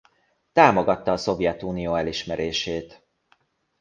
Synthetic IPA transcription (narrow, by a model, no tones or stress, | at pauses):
t̪aːmo̞ɡɒt̪ːɒːso̞vjɛt̪uːnijoːɛliʃmɛɾeːʃeːt̪